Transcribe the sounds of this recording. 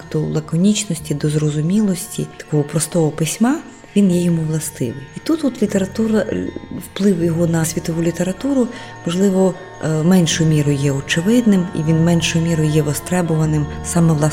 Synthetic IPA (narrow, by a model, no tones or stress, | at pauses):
d̪̥ɔlˠɐkɔnʲit͡ʃnɔsʲtʲid̪ɔzɾɔzʊmʲilˠɔsʲtʲḭt̪ɐ̥kɔɦɔpɾɔst̪ɔɦɔpɪsʲmɑ | ʋʲinjɛjɔmuʋlˠɐst̪ɪ̰ʋɪjit̪ut̪ut̪lʲit̪eɾɐt̪uɾɐwplˠɪwjɔɦɔnɐsʲʋʲit̪ɔʋulʲit̪e̞ɾɐt̪uɾʊmɔʒlˠɪʋɔ | mɛnʲʃʊjʊmʲiɾʊjjɛɔt͡ʃɪʋɪd̪nɪmḭʋʲinmɛnʲʃʊjʊmʲiɾʊjjɛʋɔst̪ɾɛbʊʋɐnɪmsɑmɛʋlˠɑ